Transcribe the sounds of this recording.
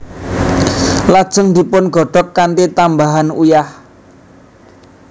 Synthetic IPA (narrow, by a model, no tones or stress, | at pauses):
lad̥ʒ̥ə̤ŋd̪i̤pʊnɡɔ̤ɖ̥ɔ̤kːant̪it̪ambaɦanujah